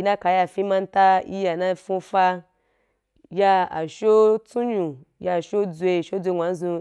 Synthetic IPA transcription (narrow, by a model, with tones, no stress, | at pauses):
i˧nã˦ka˨ja˧˨fĩ˦mã˧n˦ta˦ḭ˦ja˨nã˦fũ˧fa˦ | ja˧a˨ʃo˦t͡su˦ɲũ˨ | ja˧˨ʃo˦d͡zʷe˧˨ʃo˦d͡zʷe˧ŋʷa˨˦n˦zũ˧